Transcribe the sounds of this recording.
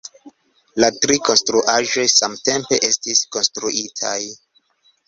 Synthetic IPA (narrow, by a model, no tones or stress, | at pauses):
latɾiko̞nstɾuʔaʒo̞jsamte̞mpe̞ʔe̞stisko̞nstɾuʔitʰa̰j